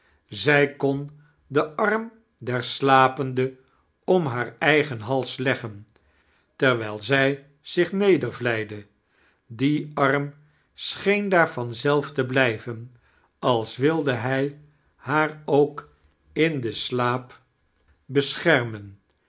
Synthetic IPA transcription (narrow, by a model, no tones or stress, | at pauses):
zɛjkɔn | dəʔɑrm | dɛɹslaːpəndə | ɔmɦaːɹɛjχənɦɑlˠslɛχən | tɛɹʋɛjlˠzɛj | z̥ɪχnejdəɹvlɛjdə | diɑɹm | sχejndaːɹvɑnzɛlˠftəblɛjvən | ɑlˠsʋɪlˠdəɦɛj | haːɹowk | ɪndəslaːp | bəsχɛɹmən